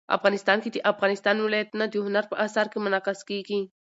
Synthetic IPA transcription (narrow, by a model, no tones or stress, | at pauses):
a̰fɣɑnɪst̪ɑnked̪əʔafɣɑnɪst̪ɑnwɪlɑjat̪nad̪əɦʊnaɾpəʔasaɾkemʊnɑqaskeɡi